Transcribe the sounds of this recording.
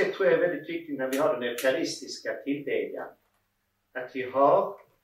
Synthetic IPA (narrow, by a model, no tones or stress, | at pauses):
ɛt̪ʰːɾuːjaɛvɛld̪ɪt̪vɪk̚t̪ɪt̪næɾvɪɦaɖɛnɛʊpʰɛalɪst̪ɪskat̪ʰɪld̪ɛ̰ɡa̰n | at̪vɪɦaɾ